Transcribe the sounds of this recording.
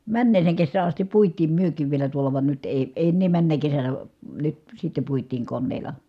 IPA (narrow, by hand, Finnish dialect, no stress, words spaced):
mænːeːseːŋ kesːæː ɑstip puitˑiːm myøkˑiːʋ ʋielæ tuolɑ ʋɑn nyt eˑi eˑi̯ enːeː mænːæ kesænæ nyt sitːe puitˑiːŋ konːeːlɑ